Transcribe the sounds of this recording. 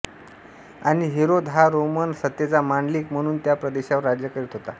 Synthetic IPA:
aɽ̃iɦeɾod̪ʱɦaɾomənsət̪ːet͡samaɳɖliːkm̤əɽ̃uːnt̪japɾəd̪eɕaʋəɾːad͡ʑjəkəɾit̪ɦot̪a

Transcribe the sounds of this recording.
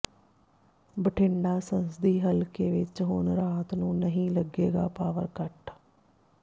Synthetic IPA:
bəʈʰɪɳɖaːsənsd̪iːɦəlkeːʋɪt͡ʃɦʊɳɾaːt̪nũːnəɦĩːləɡeːɡa̰ːpaːʋə̰ɾkəʈ

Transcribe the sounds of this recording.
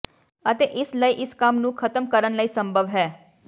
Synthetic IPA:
ət̪eːʔɪsləiːʔɪskɐmnũːkʰət̪əmkəɾənləiːsə̃mbʱəʋɦɛː

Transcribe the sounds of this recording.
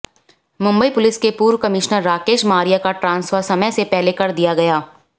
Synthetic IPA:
mʊ̃mbəipʊlɪskepuːɾwkɐmɪʃnəɾːaːkeːʃmaːɾijakaʈɾãːnsfəɾsɐməjsepɛɦlekɐɾd̪ijaɡɐjaː

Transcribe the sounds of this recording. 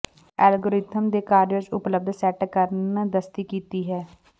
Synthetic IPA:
ɛːlɡoːɾɪt̪ʰəmd̪eːkaːɾjəd͡ʒʊpləb̚d̪sɛːʈkəɾnd̪əst̪iːkiːt̪iːɦɛː

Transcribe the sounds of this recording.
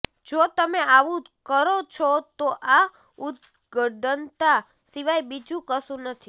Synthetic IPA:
d͡ʒot̪əmeaʋũ | kəɾot͡ʃʰot̪oʔa | ud̪̚ | ɡəɖənt̪a | siʋajbid͡ʒũkəsũnət̪ʰi

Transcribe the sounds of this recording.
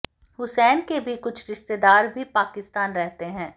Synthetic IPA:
ɦʊsɛːnkebʱikʊt͡ʃʰɾɪʃt̪ed̪aːɾbʱipaːkɪst̪aːnɾɛɦt̪eɦɛ̃ː

